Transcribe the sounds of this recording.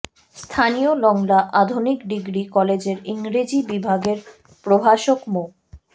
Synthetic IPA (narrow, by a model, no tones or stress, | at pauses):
st̪ʰaniolɔŋlaʔad̪ʱonikɖiɡɾikɔled͡ʑeɾiŋɾed͡ʑibibʱaɡeɾ | pɾobʱaʃokmo